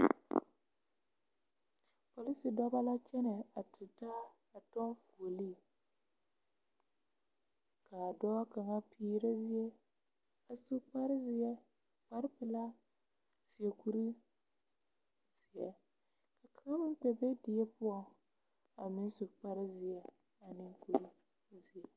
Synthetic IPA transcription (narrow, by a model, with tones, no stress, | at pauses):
po˨li˦si˨dɔ˦ba˦la˦t͡ʃɛ˦nɛ˨a˨tɪ˨ta˦ | a˨tɔ˦nfu˨o˨li˦˨ | kʰa˨dɔː˦ka˨ŋa˦pʰiː˦ɾe˦zɪ˦jɛ˦ | a˨su˦k͡pa˦ɾɪ˦zɪ˨ɛ˦ | k͡pa˦ɾɪ˦pɪ˨la˦ | sɪ˨e˨ku˦ɾi˦ | z̥ɪ˨ɛ̰˨ | ka˨ka˨ŋa˦mɪ˦ŋ˦k͡pɛ˨be˦dɪ˨ɛ˦pʊ˦ɔ˦ŋ | a˨mɪ˦n˦su˨k͡pa˦ɾɪ˦zɪ˨ɛ˨ | a˨nɪ˦ŋku˨ɾi˦ | zɪ˨ɛ˨